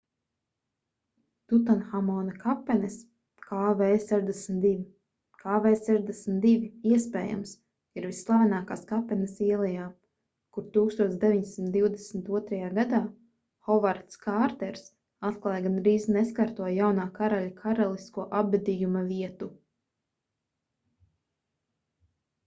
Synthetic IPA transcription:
t̪ut̪anxamɔːnɐkapɛnɛs | kʰaːvɛːsɛʒd̪ɛsmt̪d̪ivi | kaːvɛːsɛʒd̪esmʲt̪̚d̪ivʲiiɛspɛːja̰ms | iɾvisːlˠavʲanaːkaːskapɛnɛsiɛlˠɛjaː | kuɾt̪uːkst̪uɔt̪sd̪evʲiɲsimt̪d̪iwd̪ɛsmt̪uɔt̪ɾajaːɡad̪aː | xɔvaɾt̪skaɾt̪ɛɾs | at̪klˠaːjɡanɾiːzneskaɾt̪uɔjjawnaːkaɾaʎʲakʰaɾalˠiskuɔʔabːɛd̪ijumaviɛt̪u

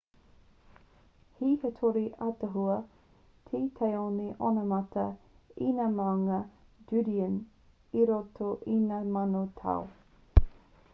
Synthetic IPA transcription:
hihetʰoɾiʔɐtəɦuɐ | t̪ʰit̪ʰejoniʔonɐmɐtʰɐ | inamawŋɐ | d͡ʒʉdiən | iɾotʰoʔinamanotʰa̰w

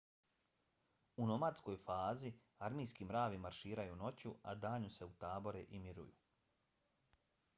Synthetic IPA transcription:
uno̞mat̪sko̞jfaːzi | aɾmijskimɾaːʋimaɾʃiːɾajuno̞t͡ɕua̰d̪aːɲuse̞ut̪aːbo̞ɾeʔimiɾṵjṵ

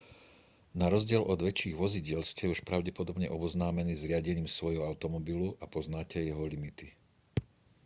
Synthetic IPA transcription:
naɾɔzɟɪɛlʔɔd̪ʋɛt͡ʃːiːɣʋɔziɟɪɛlscɛuʃpɾaʊɟɛpɔd̪ɔbɲɛʔɔbɔznaːmɛniːzɾɪaɟɛɲiːmsʋɔjɦɔaʊt̪ɔmɔbiluʔapɔznaːcɛjɛɦɔlimit̪i

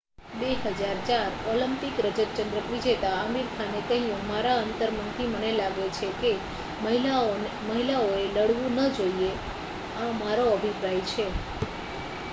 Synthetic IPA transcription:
beɦəd͡ʒaɾt͡ʃaɾɔləmpikɾəd͡ʒət̪t͡ʃənd̪ɾəʋid͡ʒet̪aəmiɾkʰanek̪əɦĩjũmaɾaənt̪əɾmənt̪imənelaɡet͡ʃʰeke | məɦia | məɦilaoeləɽʋũnəd͡ʒoie | amaɾoəbʱipɾajt͡ʃʰe

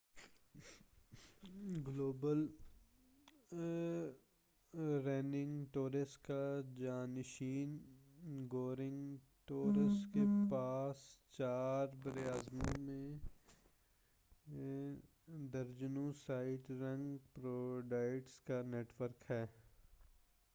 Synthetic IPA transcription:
ɡloːbəl | ɾɛːnɪ̃ŋɡʈoːɾɪsʈkad͡ʒaːnɪʃiːn | ɡoːɾɪ̃ŋɡ | ʈoːɾɪsʈkepaːst͡ʃaːɾbəɾeaːzmõmẽ | d̪əɾd͡ʒnõsaːɪʈɾə̃ŋɡpɾoːɖaːɪʈskaneːʈʋəɾkɦɛː

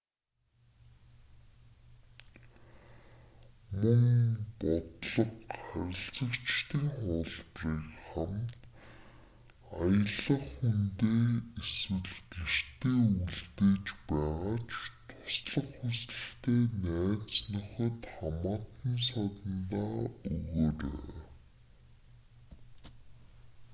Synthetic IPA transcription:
mɵŋpɔt̪ɮə̆qχæɾʲɪ̆ɬt͡sə̆kt͡ɕt̪iːŋχʊːɮpriːkχam | ajə̆ɮə̆χxunt̪eːeswɘ̆ɮɡer̥t̪eːuɮt̪eːt͡ɕpæːʁaːt͡ɕʰt̪ʰʊ̥sɮə̆χxusɮɘ̆ɬt̪eːnæːt͡snœxʲɪ̆t̪χamaːt̪ə̆ns̬at̪ə̆nt̪aːɵɣoːɾḛː

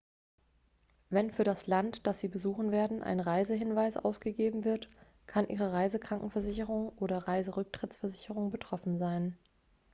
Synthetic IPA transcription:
vɛnfyːɐɾaslantd̥asz̥iːbəzuːχn̩veːɐdn̩ʔa̰ɪnʁaɪzəɦɪnvaɪsʔa̰ʊsɡ̥əɡeːbm̩vɪɐt | kʰanʔiːʁəʁaɪzəkʁ̥aŋkŋ̩fɛɐzɪçəʁʊŋʔoːɾɐʁaɪzəʁʏk̚tʁ̥ɪtt͡ssfɛɐzɪçəʁ̞ʊŋbətʁ̥ɔfn̩zaɪn

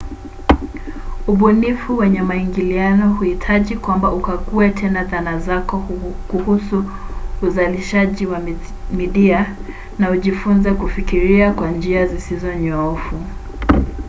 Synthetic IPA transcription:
uɓunifuwɛɲɛmaiŋɡilianɔhuhitʰaʄikwambaukakuɛtʰɛnaðanazakɔkuhusuː | zaliʃaʄiwa | miɗia | nauʄifunzɛkufikiɾiakwand͡ʒiazisizɔɲɔɔfu

